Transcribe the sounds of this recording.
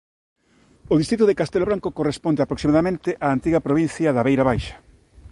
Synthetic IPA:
oðist̪ɾit̪oðekast̪eloβɾaŋkokorespond̪eapɾoksimaðamẽnt̪ɪʔaːnt̪iɣɐpɾoβ̞in̟θjɐðaβejɾaβajʃɐ̥

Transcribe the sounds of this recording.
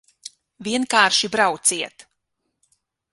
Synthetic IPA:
vʲiɛnkaːɾʃibɾawt̪siɛt̪

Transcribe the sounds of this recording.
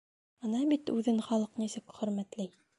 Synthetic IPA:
ɤnɑbit̪ʉðɘnχɑlˠɤqnisɘkχɵ̆ɾmæt̪lɘj

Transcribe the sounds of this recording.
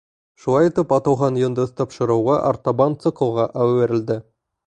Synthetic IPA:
ʃulˠɑjt̪əpɑt̪ɑwʁɑnjənd̪əzt̪ʰɑpʃə̆ɾɑwʁɑʔɑ̰ɾt̪ɑbɑnt̪sɨkoʁɑʔæwweɾɪ̆ld̪ɪ

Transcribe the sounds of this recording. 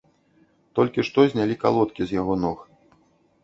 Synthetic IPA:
t̪ɔlʲkʲiʂt̪ɔzʲnʲalʲika̰lˠɔt̪kʲizʲjaɣɔnɔx

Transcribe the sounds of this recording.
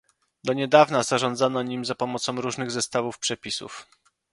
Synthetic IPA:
d̪ɔɲɛd̪avnaz̥aʐɔnd̪zanɔɲimzapɔmɔt̪sɔ̃w̃ɾuʐnɘɣzɛst̪avufpʂɛpʲisṵf

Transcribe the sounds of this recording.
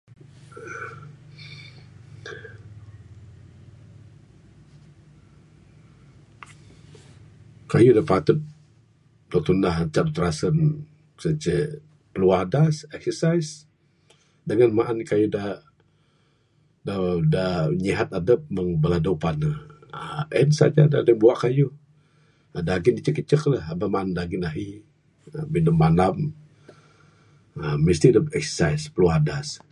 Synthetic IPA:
kajudapat̪ʊt̪̚ | dat̪unaht͡ʃaʔdut̪ɾasən | sət͡ʃə | pəluadasɛksəsajs | dəŋanmaʔankajuda | dadaɲiɦat̪adəp̚məŋbəladawʔpanəəʔɛnsa̰d͡ʒa̰dadəŋbuaʔkaju | daɡɪnit͡ʃəkət͡ʃəklahabamaʔandaɡɪnaɦi | əbindəmːanam | əmist̪iadəpɛksə̥sajspəluardas

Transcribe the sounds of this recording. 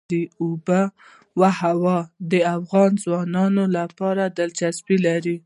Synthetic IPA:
ɾiuba | wahawɑd̪əafɣɑnzwɑnɑnolapɑɾad̪əlt͡ʃasbilaɾi

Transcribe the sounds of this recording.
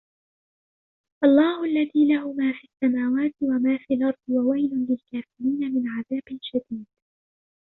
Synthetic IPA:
ʔɑlˤːɑːhʊʔalːaðiːlaɦʊmaːfiːsːamaːwaːt̪ɪwamaːfiːlʔɑɾˤd̪ˤwawajlʊnlɪlkaːfɪɾiːnamɪnʕaðaːbɪlʃad̪iːd̪̥̚

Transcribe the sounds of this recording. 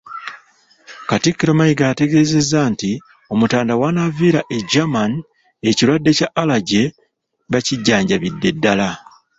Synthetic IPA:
katikːiɾo̞majiɡaːte̞ɡe̞ːze̞zanti | o̞mutaːndawanaviːɾaʔed͡ʒaman | eciɾwadːe̞caʔːlaɟe̞ | βaciɟːaːɲɟaβidːe̞dːala

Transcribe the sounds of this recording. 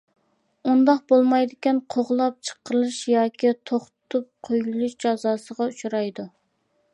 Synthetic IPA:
und̪ɑqbolˠmɑjd̪ɪkʲɛnqʰoʁlˠɑp̚t͡ʃʰə̥qːəɾɨlˠɨʃjɑːkʲit̪ʰoχt̪ʊt̪ʰup̚qʰøjɡylˠuʃd͡ʒɑzɑːsəʁɑut͡ʃʰuɾɑjd̪u

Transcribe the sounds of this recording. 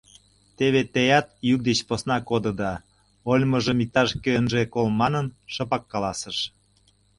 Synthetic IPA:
t̪eβet̪ejɑt̪juk̚d̪et͡ɕposnɑkod̪ɤ̆d̪ɑ | olʲməʒəmik̚t̪ɑʃkøənʒekolmɑnənʃɤ̆pɑkːɑlɑsəʃ

